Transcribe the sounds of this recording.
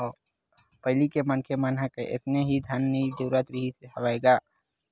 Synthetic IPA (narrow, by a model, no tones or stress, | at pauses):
pəɪlikemənkʰemənɦəkeʔɪ̰t̪neɦid̪ʱənːid̪uːɾat̪ɾiɦiseɦɐʋaeːɡaː